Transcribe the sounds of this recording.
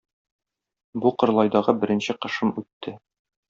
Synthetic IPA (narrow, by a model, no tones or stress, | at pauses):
buqɤ̆ɾlˠɑjd̪ɑʁɤbɘ̆ɾɘ̆nɕɘqɤ̆ʃɤmʉt̪ʰːɘ